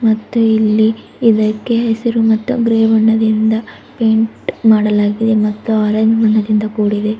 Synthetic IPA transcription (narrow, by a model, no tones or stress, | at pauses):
mɐt̪ːuilːi | id̪ɐkːe̞ɦesɐɾumɐt̪ːṵɡɾeːʋɐɳːɐd̪ind̪ɐ | pe̞ːɳʈmaːɽɐlaːɡid̪e̞mɐt̪ːuaːɾɐɲd͡ʒmɐɳːɐd̪ind̪ɐkuːɽid̪e̞